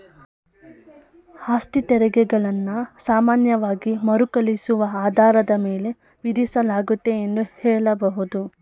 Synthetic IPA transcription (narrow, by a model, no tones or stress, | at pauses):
haːsʈit̪ɛɾɛɡɛɡɐɭɐnːusaːmaːnjɐʋaːɡimɐɾukɐɭisuʋɐaːd̪ʱaːɾɐd̪ɐmeːle̞ | ʋiɾisɐlaːɡut̪ːe̞end̪uhɛːɭɐbɐɦud̪u